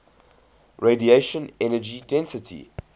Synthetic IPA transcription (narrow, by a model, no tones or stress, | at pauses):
ɹedieɪʃə̃nɛnəd͡ʒidɛ̃nsətʰḭ